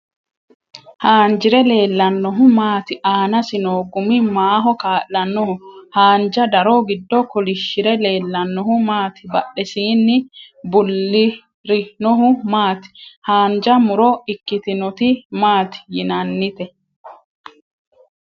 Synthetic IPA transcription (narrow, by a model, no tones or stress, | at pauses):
haːnd͡ʒɪɾɛle̞ːlːɐnːɔɦʊmaːt̪ɪʔaːnɐsɪnoːɡʊmɪmaːɦɔkaːʔːɐnːɔhʊhaːnd͡ʒɐd̪ɐɾɔɡɪd̪ːɔkɔlɪʃːɪɾɛle̞ːlːɐnːɔhʊmaːt̪ɪ̥bɐɗɛsiːnːɪ | bʊlːɪ | ɾɪnɔɦʊmaːt̪ɪ̥haːnd͡ʒɐmʊɾɔɪkːɪt̪ɪnɔt̪ɪmaːt̪ɪ̥jɪnɐnːɪt̪ɛ